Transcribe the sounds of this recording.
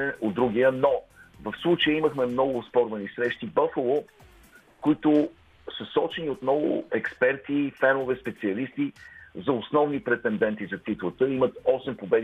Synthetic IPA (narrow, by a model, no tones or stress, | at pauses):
ɛod̪d̪ɾuɡ̟iənɔvəfslˠut͡ʃəjəiməxmɛmnɔɡʊːspɔɾvɐnisɾɛʃt̪ibɐfəlˠo | kʊit̪ʊ | sɐsɔt͡ʃɛniot̪mnɔɡʊ̰ɛkspɛɾt̪ifɛɾmovɛspɛt̪siɐlist̪izɐʊsnɔvnipɾɛt̪ɛnd̪ɛnt̪izɐt̪it̪lˠət̪əimət̪ɔsɛmpobɛd̪